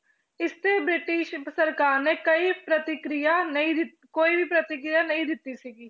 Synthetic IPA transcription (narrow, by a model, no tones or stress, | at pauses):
ɪst̪eːbɾɪʈɪʃsəɾkaːɾneːkəipɾət̪ɪkɾijanəɦĩːd̪ɪ | koːibʱipɾət̪ɪkɾijanəɦĩd̪ɪt̪ːisiːɡiː